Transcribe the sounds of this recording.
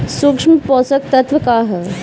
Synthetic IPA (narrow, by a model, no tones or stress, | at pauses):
sukʂmpɔːsɐk̚t̪ɐt̪ʋɐkaːɦə